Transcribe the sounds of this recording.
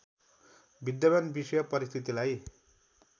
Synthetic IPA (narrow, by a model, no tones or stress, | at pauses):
bʱid̪jʌbanbisʌjʌpʌɾist̪ʰit̪ilaj